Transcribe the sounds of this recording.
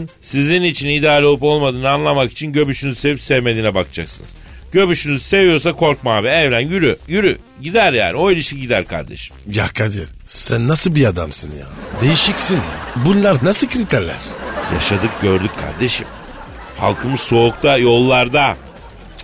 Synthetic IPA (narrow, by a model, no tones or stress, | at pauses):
nsizinit͡ʃʰinid̪aːlʲolˠɯpo̞lˠmad̪ɯːnɯanlˠamaki̥t͡ʃʰinɟø̞byʃynyzse̞vipsɛvme̞d̪inɛbakt͡ʃʰaksɯnɯ̰z̥ | ɟø̞byʃynyzse̞vijo̞ɾs̬akʰo̞ɾkmaːbɛɛvɾænjyɾyjyɾy | ɟid̪æɾjæ̰ːnio̞ilʲiʃciɟid̪æɾkʰa̰ɾd̪ḛʃi̥mja̰kʰːad̪iɾ | sænːasɯbiad̪amsɯnja̰ːd̪e̞jiʃicsinja̰bunlˠaɾnasɯkʰɾit̪ʰæɾlʲæ̰ɾ̥ja̰ʃad̪ɯk̚ɟø̞ɾd̪yc̚ːʰa̰ɾd̪e̞ʃim | ha̰lˠkʰɯmɯzso̞ːkt̪ʰajo̞lˠːaɾd̪a